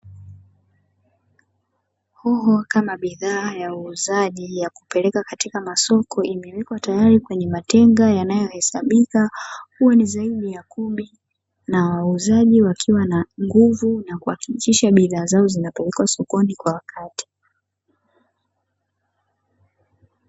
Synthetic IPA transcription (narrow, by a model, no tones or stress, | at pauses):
hɔɦɔkamaɓiðaːjauːzaʄijaku̥pɛlɛkakatikamasɔkʰɔimɛwɛkwatajaɾikwɛɲɛmatɛŋɡajanajɔhɛsaɓikahuwanizaiɗijakuɓi | nawauzaʄiwakʰiwanaŋɡuvunakuakikiʃaɓiðaːzaɔzinapɛlɛkwasɔkɔnikwawakʰati̥